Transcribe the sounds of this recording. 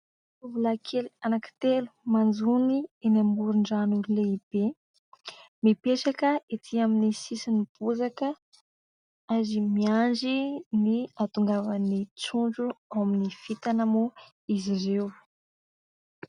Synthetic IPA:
tuvulakʰelanakə̥t̪elu̥mand͡zunienambuɾuɳɖ͡ʐanuleib̥e | mipeʈ͡ʂakəet̪ʰiaminisisinib̥uzakə | azimiand͡ʒiniat̪uŋɡavənit͡suɳd͡ʒuawaminifit̪anəmu | izirew

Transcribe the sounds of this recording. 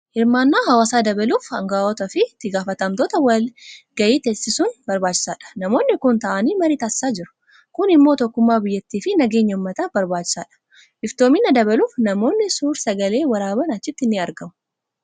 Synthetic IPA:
hɪɾmaːnːaːɦɐwaːsaːd̪ɐbɐluːfɐŋɡaːɔt̪ɐfɪt̪ːɪɡaːfɐt̪ɐmt̪oːt̪ɐwɐlɡɐjiːt̪esɪsʊnbɐɾbaːt͡ʃːɪ̥saːᶑɐ̥nɐmo̞ːnːɪkʊnt̪ɐʔɐniːmɐɾit̪ɐsːaːd͡ʒɪɾʊ̥ | kʊnɪmːo̞ːt̪ɔkːʊmːaːbɪjːɛt̪ːiːfɪnɐɡeːɲːɐʊmːɐt̪ɐbɐɾbaːt͡ʃːɪ̥sa̰ːᶑɐ̥ | ʔɪft̪o̞ːmɪnːɐd̪ɐbɐluːfnɐmo̞ːnːɪsuːɾsɐɡɐle̞ːwɐɾaːbɐnɐt͡ʃːɪt̪ːɪnːɪɐɾɡɐmʊ̥

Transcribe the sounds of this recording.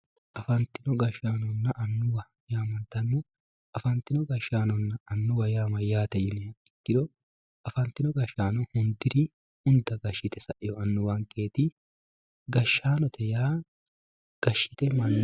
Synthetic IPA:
ʔɐfɐnt̪ɪnɔɡɐʃaːnɔnːɐʔɐnːʊwɐ | jaːmɐnt̪ɐnːɔ | ɐfɐnt̪ːɪnɔɡɐʃːaːnɔnːɐːnːʊwɐjaːmɐjaːt̪ɛjɪnɪjɐɪ̥k̪ːɪᶑ̪ɔ | ɐfɐnt̪ːɪnɔɡɐʃaːnɔhʊnd̪ɪɾɪ | ʊnd̪ɐɡɐʃːɪt̪ɛsɐʔɪjɔɐnːʊwaŋkʼeːt̪ɪ | ɡɐʃːaːnɔt̪ɛjaː | ɡ̥ɐʃːɪt̪ɛmɐnː

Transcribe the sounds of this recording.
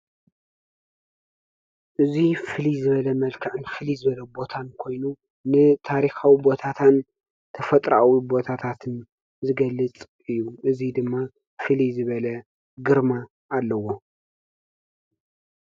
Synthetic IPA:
ʔɨzifɨlizɨβɐlɐmɐlkʰɐʕɨnfɨlizɨβɐlɐbo̞t̪ʰankʰo̞jnu | nɨt̪ʰaɾixawibo̞t̪ʰat̪ʰan | t̪ʰɐfɐt̪ʼɾa̰wibo̞t̪ʰat̪ʰat̪ʰɨn | zɨɡɐlːɨt͡sʼ | ɨjːuʔɨzid̪ɨmːa | fɨlizɨβɐlɐ | ɡɨɾmaː | lːɐwo̞

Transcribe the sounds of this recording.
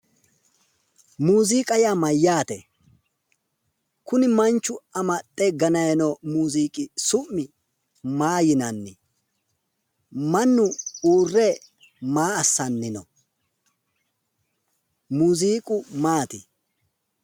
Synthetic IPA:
muːziːkʼɐjamɐjːaːt̪ɛ̰ | kʊnɪmɐnt͡ʃːʊɐmɐt̪ʼːɛɡɐnɐjɐnomuːziːkʼɪsʊmːɪ | maːjɪnɐnːɪ | mɐnːʊuːrːɛ | maːɐsːɐnːɪnɔ | muːziːkʼʊmaːt̪ɪ̰

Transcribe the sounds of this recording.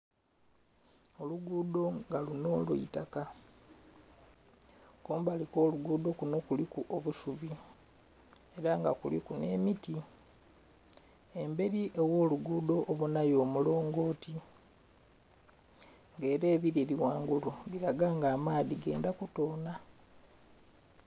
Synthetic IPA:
o̞luɡuːd̪o̞ŋɡalunolṵitaka | koːmbaliko̞ːluɡuːd̪o̞kuno̞kulikuʔoβuʃuβi | e̞ɾaŋɡakulḭkune̞̰ːmiti | embe̞ɾiʔewo̞ːluɡuːdo̞ʔːβunajo̞ːmulo̞ːŋɡo̞ːti | ŋɡe̞ːɾe̞ːβiɾeliwaːŋɡululiɾaɡaːŋɡaːmaːðiɡe̞̰ːndakuto̞ːna

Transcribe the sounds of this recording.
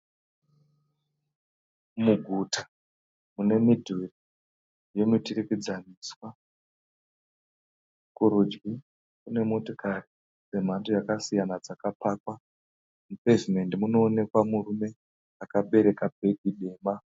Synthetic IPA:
muɡʱuta | mune̞midʱuri | jo̞mitiɾikid͡zaniswa | kuɾud͡ʒɡi | kune̞mo̞tokʰaɾi | se̞m̤antojakasijanad͡zakapaːkwa | mupe̞zime̞ndimuno̞ːne̞kwamurume̞ | akaɓe̞ɾe̞kabʱe̞ɡʱiɗe̞ːmba

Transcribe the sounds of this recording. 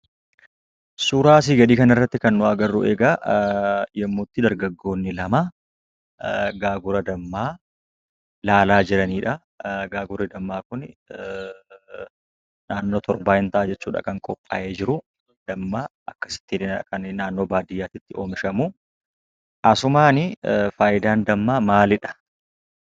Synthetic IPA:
suːɾaːs̬iːɡɐd̪iːkɐnɐrːɐt̪ːɪkɐnːʊɐɡɐrːʊ̰ʔeːɡa | jɛmːuːt̪ːɪd̪ɐɾɡɐɡːo̞ːnːɪlɐma | ɡaːɡʊɾɐd̪ɐmːaː | laːlaːd͡ʒɪɾɐniːᶑɐ | ɡaːɡʊɾɪd̪ɐmːaːkʊn | naːnːo̞ːt̪ʰɔɾbaːʔɪnt̪ɐʔaːd͡ʒɛt͡ʃːuːᶑɐ̰kɐŋkʼɔpʼːa̰ːʔeːd͡ʒɪɾʊ | d̪̥ɐmːaːʔɐkːɐ̥sɪ̥t̪ːiːnkɐnnaːnːo̞ːbaːd̪ɪjːaːt̪ɪt̪ːɪo̞ːmɪʃɐmʊ | ʔɐsʊmaːnɪfaːjɪd̪aːnd̪ɐmːaːmaːlɪᶑɐ̥

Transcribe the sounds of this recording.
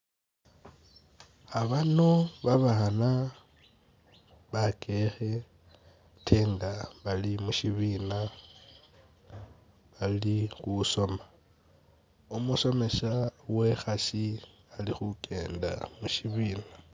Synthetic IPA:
aβanoβaβana | βakʰʼe̞xe̞ | tʰe̞ːndaβalimuʃiβina | βalixuso̞ma | umuso̞me̞ʃawe̞xasi | alixukʰʼe̞̰ːnda̰muʃiβiːna

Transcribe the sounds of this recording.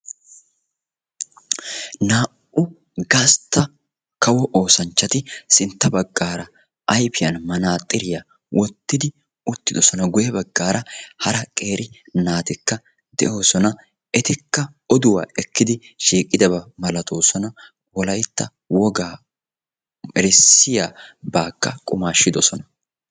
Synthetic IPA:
naːʔ | ʊ | ɡɐst̪ːɐ | kɐwɔʔoːsɐnt͡ʃːɐt̪ɪsɪnt̪ːɐbɐɡːaːɾɐ | ʔɐjpɪjɐnmɐnaːt̪ʼːɪɾɪjɐ | wʔɔt̪ːɪd̪ɪ | ʊt̪ːɪd̪ɔsɔnɐɡʊjɛbɐɡːaːɾɐhɐɾɐkʼe̞ːɾʔɪ | naːt̪ɪkːɐ | d̪ɛʔo̞ːsɔnɐ | ɛt̪ɪkːɐ | ɔd̪ʊwa̰ːɛkːɪd̪ɪ | ʃiːkʼːɪd̪ɐbɐmɐlɐt̪ʰo̞ːsɔnɐ | wɔlɐjt̪ːɐ | wɔɡaː | ɛɾɪsːɪjaːbaːkːɐkʼʊmaːʃːɪd̪ɔsɔnɐ̥

